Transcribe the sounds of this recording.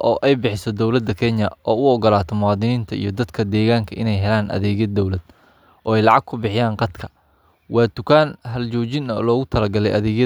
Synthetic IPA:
ʔɔːʔɛjbɪħɪsɔd̪ɔwlɐd̪ːɐkʰɛɲjɐʔɔːʊɔɣɐlaːt̪ʰɔmʊwɑːðɪniːnt̪ʰɐḭjɞd̪ɐd̪kʰɐd̪ɛːɣaːŋkʰɐʔɪ̰nɛjɦɛlaːnʔɐ̰ðɛːɣjɐd̪ːɔwlɐd̪̥̚ | ʔɔːɛjlɑʕɑɡ̚kʰʊbɪħɪjaːnqɑd̪kʰɐ | wɑːd̪ʊkʰaːnɦɐlt͡ʃɔːt͡ʃɪnɐlɔːɣʊt̪ʰɐlɐɡɐlɛ̰jʔɐðɛːɣjɐ

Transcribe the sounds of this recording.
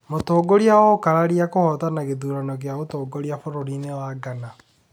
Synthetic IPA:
motoːɡoɾiaɔkaɾaɾiakohɔtanaɣeðuɾanɔɣeaotoːɡoɾiafoɾoɾinewaɡana

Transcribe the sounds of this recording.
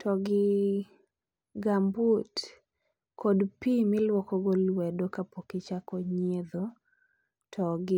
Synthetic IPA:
tʰɔɡɪ | ɡambut | kʰɔdpimɪlwɔkɔɡɔlwɛdokapokɪt͡ʃakɔɲed̪o | tʰɔɡɪ

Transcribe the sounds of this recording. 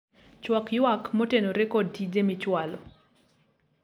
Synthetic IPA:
t͡ʃwakjwakmotenoɾekɔdidemɪt͡ʃwalɔ

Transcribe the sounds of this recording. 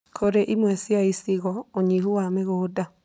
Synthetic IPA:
kʰoɾeʔimwɛsjaisiɣɔoɲiɦuwameɣoːda

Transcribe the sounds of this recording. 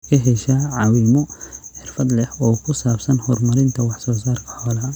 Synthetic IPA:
kʰɐɦɛʃɐʕɑːwiːmɔħɪrfɐd̪lɛhɔːkʰʊsaːbsɐnhɔrmɐɾɪnt̪ʰɐwɑħsɔːsaːrkʰɐ̥ħɔːlɐ

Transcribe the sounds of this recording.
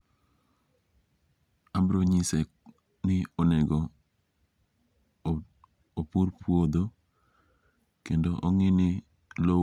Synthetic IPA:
ambɾoɲisɛk | nɪɔnɛɡɔ | opuɾpʰwod̪o | kendoʔɔŋɪnɪ | lo

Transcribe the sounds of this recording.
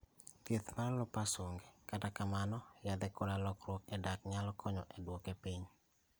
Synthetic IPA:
t̪et̪maɾlɔpasoŋɡekatakamanɔjad̪ɛkodalɔkɾwɔkɛdakɲalɔkʰɔɲɔʔɛdwokɛpiɲ

